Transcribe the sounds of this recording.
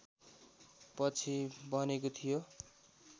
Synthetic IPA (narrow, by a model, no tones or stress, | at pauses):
pʌt͡sʰibʌnekot̪ʰijo